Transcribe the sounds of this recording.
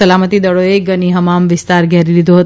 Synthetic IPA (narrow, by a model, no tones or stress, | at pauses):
əlamət̪id̪əɭoeɡəniɦəmamʋɪst̪aɾɡʱɛɾilid̪ʱoɦət̪